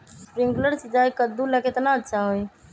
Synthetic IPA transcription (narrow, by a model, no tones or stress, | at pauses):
spɾĩŋɡləɾsɪd͡ʒaːjkəd̪uləkʰet̪naətːʃʰaɦoj